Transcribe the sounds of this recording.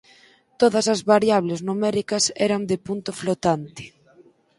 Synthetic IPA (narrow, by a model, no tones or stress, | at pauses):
t̪oðɐsɐzβaɾjaβ̞leznumɛɾikɐsɛɾɐnd̪ɪpunt̪ʊflot̪ant̪ɪ̥